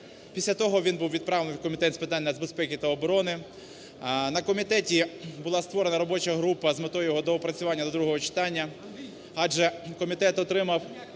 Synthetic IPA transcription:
pʲisʲlʲɐt̪ɔɦɔʋʲinbuwʋʲid̪̚pɾɑʋlenɪkɔmʲit̪ɛt̪ʲspɪt̪ɑnʲːɐzbespɛkʲit̪ɐɔbɔɾɔnɪ | nɐkɔmʲit̪ɛtʲibʊlˠɑst̪ʋɔɾenɐɾɔbɔt͡ʃɐɦɾupɐzmet̪ɔjɔɦɔd̪ɔɔpɾɐt͡sʲʊʋɑnʲːɐd̪ɔd̪ɾuɦɔɦɔt͡ʃɪ̥t̪ɑnʲːɐ | ɑʒɛkɔmʲit̪ɛt̪ɔt̪ɾɪmɐw

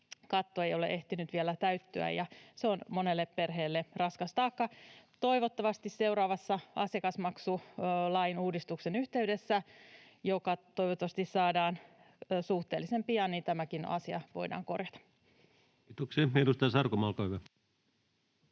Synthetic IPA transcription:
kɑt̪ːoejolḛʔeht̪inyt̪ʋielæt̪æyt̪ːø̰æ̰jɑseonmonelːepperɦeːlːerɑskɑst̪ɑːkːɑt̪o̞iʋot̪ːɑʋɑst̪isse̞uɾɑːʋɑsːɑʔɑ̰sekɑsmɑksulɑjinuːdist̪uksenyht̪eydesːæ | jokɑt̪oiʋot̪ːɑʋɑst̪issɑːdɑːn | suht̪eːlːisempiɑnint̪æmækinɑ̰siɑʋo̞̰idɑ̰ːŋko̰rjɑt̪ɑ̥ | t̪ukseenust̪ɑːsɑrkomɑlkohyʋæ

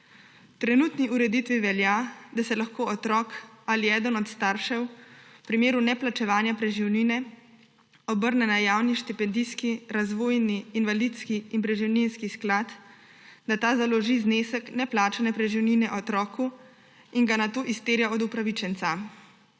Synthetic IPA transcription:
t̪ɾɛnuːt̪niʔuɾɛd̪it̪ʋiʋɛljad̪asɛlaxkoːɔt̪ɾɔːkaliɛːd̪ənɔt̪st̪aɾʃɛwpɾimeːɾunɛplat͡ʃɛʋaːnjapɾɛʒiwninɛ | ɔbəɾnɛnajaːwniʃt̪ipɛnd̪iskiɾazʋoːjniːnʋalit̪skiːnpɾɛʒiwninskisklaːt̪ | d̪at̪aːzalɔʒizneːsəknɛplaːt͡ʃanɛpɾɛʒiwninɛʔɔt̪ɾɔːku | inɡanat̪oːʔist̪eːɾjaɔd̪upɾaʋit͡ʃɛnt̪sa

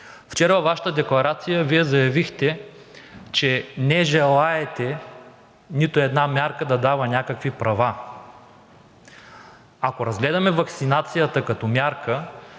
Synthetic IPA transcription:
ft͡ʃɛɾvɐvaʃə̥t̪əd̪ɛklˠɐɾat̪sijəviɛzɐjɐvixt̪ɛ | t͡ʃɛnɛʒɛlˠaɛt̪ɛ | nit̪oɛd̪namʲjaɾkəd̪ɐd̪avɐnʲakəkvipɾɐva | akoɾɐzɡlɛd̪ɐmɛvɐksinat̪sijət̪ɐkɐt̪ɔmʲjaɾkə

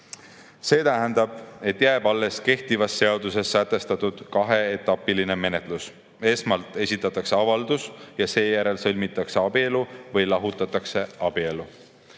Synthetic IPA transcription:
se̞ːt̪æɦænd̪ɑb̥̚e̞t̪ːjæeb̥ɑlːe̞ske̞ht̪ivɑsːe̞ɑd̪use̞sːæt̪ːˑe̞st̪ɑt̪ːˑud̪̥kɑɦe̞et̪ːˑɑpːiline̞me̞ne̞t̪ˑlus | e̞smɑlt̪ˑe̞sʲit̪ːˑɑt̪ːˑɑkse̞ɑvɑld̪̥usjɑse̞ːjæɾe̞lsɤlʲmit̪ːˑɑkse̞ɑb̥ie̞luvɯjlɑɦut̪ːˑɑt̪ːˑɑkse̞ɑb̥ie̞lu

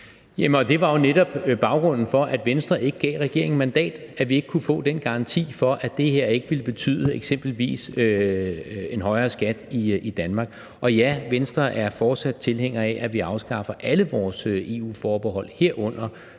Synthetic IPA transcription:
jæmnɒ̽d̥e̝ʋɑ̈jo̝neɾ̥ɒ̽b̥b̥ɑ̈ʊɡ̥ʁɔ̽n̰n̩fɒ̽ʔæd̥ʋensd̥ʁɐe̝ɡ̥əɡ̥ɛ̰ːʁɛɡ̥e̝ɐ̰eŋmænd̥ɛ̰ːd̥æʋie̝ɡ̥ə̥kʰufɔ̰̽ːd̥enɡ̥ɑ̈ʁɑ̈nt͡sʰḭːfɒ̽ʔæd̥e̝he̝ɐ̰e̝ɡ̥əʋiləb̥e̝t͡sʰy̰ːðˠəeɡ̥sem̰b̥l̩ʋḭːsø | e̝nɦɒ̽ɪɐːsɡ̥æd̥iid̥ænmɑ̈ːɡ̥ | ʔɒ̽jæʋensd̥ʁɐʔæɐfɒːd̥sæd̥̚t͡sʰe̝lheŋ̰ɐɛʔæʋiɑ̈ʊsɡ̥ɑ̈fɐʔæləʋɒːsøe̝ṵːfɒːb̥eɦɒ̽l̰he̝ɐ̰ʔɔ̽n̰ɐ

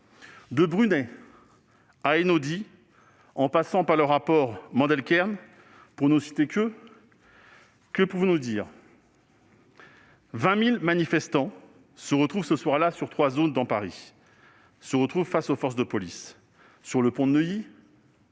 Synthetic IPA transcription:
d̪əbʁynɛ | aenod̪i | ɑ̃pasɑ̃paʁləʁːapɔʁmɑ̃d̪ɛlkʲɛʁn | puʁnusi̥t̪ekʲə | kəpuvɔ̃nud̪iːʁ | vɛ̃milmanifɛst̪ɑ̃ | səʁət̪χuvsəswaʁlasyʁt̪χwazond̪ɑ̃paʁi | səʁət̪χuvfasofɔʁs̬d̪əpɔlisː | yʁləpɔ̃d̪nəji

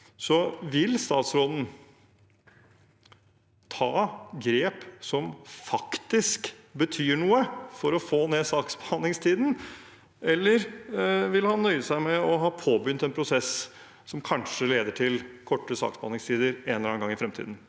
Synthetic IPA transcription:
sɔʋɪlst̪ɑːt̪sɾoːd̪n̩ | t̪ʰɑːɡɾeːpsɔmfɑkt̪ɪsk | bət̪ʰyːɳuːəfɔɾɔfoːneːsɑːksb̥əɑnːɪŋst̪ʰiːd̪n̩ | ʔɛlːəɾʋɪlhɑnːœʏəsæɪmɛɔɦɑːpʰoːbʏnt̪ɛnpʰɾʊsɛs | sɔmkʰɑnʂəleːd̪əʈʰɪlkʰɔʈːəsɑ̰ːksbəɑ̰nɪŋst̪ʰiːd̪əɾenləɾɑːnɡɑŋːɪfɾɛmt̪ʰḭd̪n̩

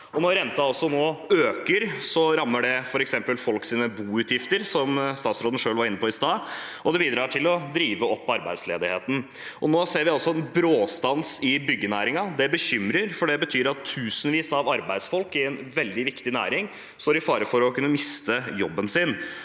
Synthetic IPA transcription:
ɔnɔɾɾɛnt̪ɑɔsːɔnoːøːkəɾsɔɾɑmːəɖɛfɔɾɛksɛmpəlfɔlksiːnəbuːʉːt̪jɪft̪əɾsɔmst̪ɑːt̪sɾoːd̪n̩ʂøːlʋɑɾɪnːəpʰɔːɪst̪ɑːɔd̪ɛbiːd̪ɾɑːʈʰɪlɔd̪ɾiːʋəɔpʰːɑɾbæɪd̪sleːd̪ɪhḛːt̪n̩ | ʔɔnoːseːɾʋɪɑlsɔɛnbɾoːst̪ɑnsɪbʏɡːənæːɾɪŋɑd̪ɛbəçʏmɾəɾfɔɖɛbət̪ʰyːɾɑt̪ʰːʉːsənʋiːsɑʋɑɾbæɪd̪sfɔlkɪɛnʋɛld̪ɪʋɪkt̪ɪnæ̰ːɾɪŋ | st̪oːɾɪfɑːɾəfɔɾɔkʰʉnːəmɪst̪əjɔbːənsɪn

